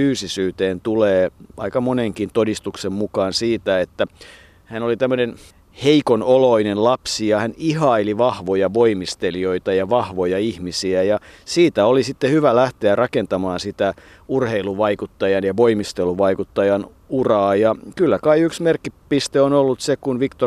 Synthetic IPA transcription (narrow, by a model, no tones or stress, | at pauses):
yːsisyːt̪eːnt̪uleːɑ̰ikɑmoneŋkint̪odist̪uksemmukɑːnsiːt̪æet̪ːæ | hænolit̪æmːønen | heikonoloinenlɑpsijɑhænihɑiliʋɑhʋojɑʋoimist̪elioit̪ɑjɑʋɑhʋojɑihmisiæjɑsiːt̪æolisit̪ːehyʋælæht̪eærɑkent̪ɑmɑːnsit̪æ | urheiluʋɑikut̪ːɑjɑnjɑʋoimist̪eluʋɑikut̪ːɑjɑn | urɑːjɑkylːækɑiyksmerkːipist̪eonolːut̪sekunʋikt̪o